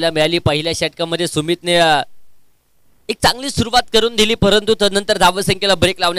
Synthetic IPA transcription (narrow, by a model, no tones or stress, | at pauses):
lamiɭaliːpəɦiljaɕɛʈkaməd̪ʱjesumiːt̪ne | ek̚t͡saŋɡliːsuɾuʋat̪̚kəɾuːnd̪ʱiliːpəɾənt̪ut̪ənənt̪əɾd̪ʱaʋəsəŋkʰelabɾeklaʋɳ